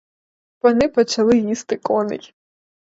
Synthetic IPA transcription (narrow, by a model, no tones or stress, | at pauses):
ʋɔnɪpɔt͡ʃɐlˠɪjist̪ɪkɔnɪ̰lʲ